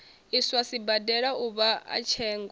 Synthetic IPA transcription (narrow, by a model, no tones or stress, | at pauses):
iswasibadɛɺauβaa̰t͡ʃʰɛːŋɡ